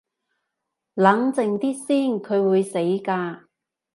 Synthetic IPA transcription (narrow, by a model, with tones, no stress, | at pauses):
lɐ˨˥ŋt͡sɪ˨˧ŋt̪iː˥siː˥nkʰɵ˨˧ɥwuː˨˧jse˨˥jkaː˧